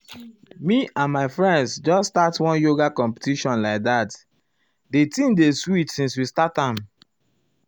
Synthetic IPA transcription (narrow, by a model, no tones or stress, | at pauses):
miʔãnmaɪfɹɛ̃ndsd͡ʒɔsstatwɔ̃njoɡakɔ̃mpe̥tiʃɔ̃nlaɪk̚ðat | detĩndesuitsĩnswistatãm